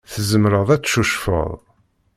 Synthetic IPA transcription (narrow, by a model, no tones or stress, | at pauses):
θəzəmɾəðˤæt͡sːʃuʃfə̰ðˤ